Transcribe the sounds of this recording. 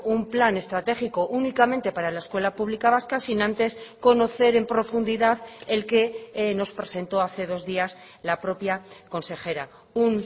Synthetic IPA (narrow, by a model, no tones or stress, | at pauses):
umplane̞st̪ɾat̪e̞xikoʔunikament̪e̞paɾalaeskwe̞lapuβlikaβ̞askasinãnt̪e̞sko̞no̞θe̞ɾe̞mpɾo̞fund̪iðaðe̞lkeno̞spɾe̞sẽ̞nt̪o̞aθe̞ð̞o̞zðias | lapɾo̞pjako̞nse̞xe̞ɾa | un